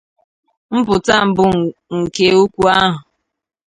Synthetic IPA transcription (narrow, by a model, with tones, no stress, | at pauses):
m̩˦pʊ˨ta˦m̩˨bʊ˦ŋ̩˨ke˦u˦kʷu˦a˦ɦʊ˨